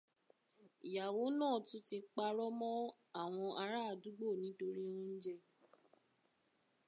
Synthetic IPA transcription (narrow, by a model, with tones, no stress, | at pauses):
i˨ja˨wo˨˦nãː˦˨tũ˨˦ti˧k͡pa˧ɾɔ˦mɔ̃˦ | a˦˨w̃ɔ̃˧ʔa˧ɾa˦˨du˨˦ɡ͡bo˦˨nĩ˨˦to˧ɾi˦o˦n̩˦d͡ʒɛ˧